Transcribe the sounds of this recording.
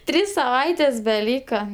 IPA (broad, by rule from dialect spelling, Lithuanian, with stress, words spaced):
ˈtʲrʲiːs sɐˈʋɐɪtʲeːs bʲɛˈlʲiːkɐ